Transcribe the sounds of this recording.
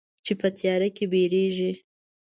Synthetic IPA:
t͡ʃepət̪ʰjɑɾakebeɾeʒi

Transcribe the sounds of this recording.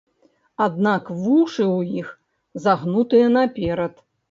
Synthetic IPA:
ad̪nakvuʂɨwjix | zaɣnut̪ɨjɐnapʲɛɾɐt̪

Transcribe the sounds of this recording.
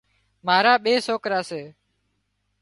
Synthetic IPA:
maːɾaːɓeːsoːkɾaːseː

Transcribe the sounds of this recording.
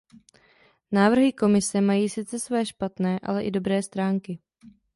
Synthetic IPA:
naːvr̩ɦɪko̞mɪsɛmajiːsɪt͡sɛsvɛːʃpat̪nɛːʔa̰lɛʔɪdo̞bɾɛːst̪ɾaːŋkɪ

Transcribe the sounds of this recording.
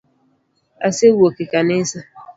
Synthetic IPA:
a̰sewuokekanesa

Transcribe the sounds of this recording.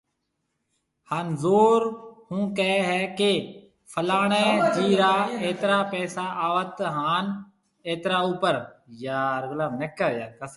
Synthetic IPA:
haːnzoːɾhũːkɛɛɦɛːkeː | pʰəlaːɳɛ̃ːd͡ʒiːɾaːeːt̪ɾaːpɛːsaːʔaːʋət̪ɦaːn | eːt̪ɾaːuːpəɾjaːɾɡəlaːnɛkːəːjaːkəs

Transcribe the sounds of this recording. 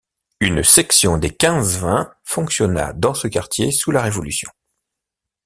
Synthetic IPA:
ynsɛksjɔ̃d̪ekʲɛ̃zvɛ̃fɔ̃ksjɔna̰d̪ɑ̃səkaʁt̪jesulaʁevɔlysjɔ̃

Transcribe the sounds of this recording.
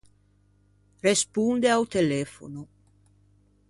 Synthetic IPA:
respund̪eawt̪elɛfo̰no

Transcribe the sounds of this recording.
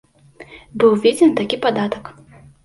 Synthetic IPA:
bɨwvʲed͡zʲɛnt̪akʲipad̪at̪ɐk

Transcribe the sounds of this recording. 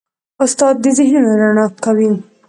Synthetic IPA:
ʊst̪ɑd̪̚ːəzɪɦnoɾaɳɑkawi

